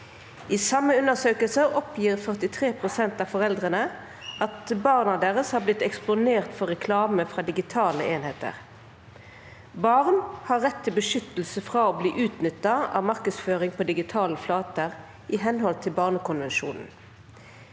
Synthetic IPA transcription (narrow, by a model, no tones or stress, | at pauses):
ʔisɑmːəʉnəʁsøːkəlsəɔpʰjiːʁfœʁt̪ɪt̪ʰʁeːpʰʁʊsɛnt̪ɑːʋfɔʁɛld̪ʁənə | ɑt̪bɑːʁnɑd̪eːʁəshɑːblɪt̪ɛksp̪ʊneːʁt̪fɔʁɛkʰlɑːməfʁɑːd̪ɪɡɪt̪ʰɑːləeːnheːt̪ə̰ʁ | bɑʁnhɑːʁːɛt̪ʰːɪlbəʃʏt̪l̩səfʁɑoːbliːʔʉːt̪nʏt̪ːɑɑ̰ːʋmɑʁkəsføːʁɪŋpʰoːd̪ɪɡɪt̪ʰɑːləflɑːt̪əʁ | ʔɪɦɛnɦɔlt̪ʰɪlbɑːʁnəkʊnʋɛnʃṵːnn̩